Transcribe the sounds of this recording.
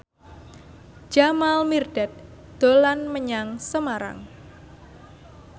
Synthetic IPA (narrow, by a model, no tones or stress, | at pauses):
d͡ʒ̥amalmirɖ̥ɛt̪̚ | d̪̥olanməɲaŋsəmaɾa̰ŋ